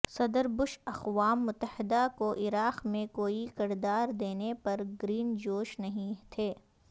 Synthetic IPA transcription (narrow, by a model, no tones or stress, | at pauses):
sɐd̪əɾbʊʃɐqʋaːmːʊt̪ːəhɪd̪akoʔɪɾaːqmẽkoːikɪɾd̪aːɾd̪eːnepɐɾɡɾiːnd͡ʒoːʃnɐɦĩt̪ʰeː